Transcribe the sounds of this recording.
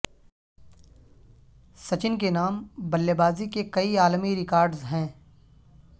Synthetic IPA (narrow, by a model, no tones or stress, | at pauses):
sɐt͡ʃɪnk̬enaːmbɐlːebaːzikekɐiaːlmiɾɪkaːɾɖzɦɛ̃ː